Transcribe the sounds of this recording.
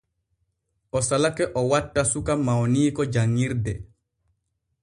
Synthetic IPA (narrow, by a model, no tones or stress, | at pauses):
ʔɔsalakɛʔɔwatːasukamawniːkɔd͡ʒaŋːiɾdɛ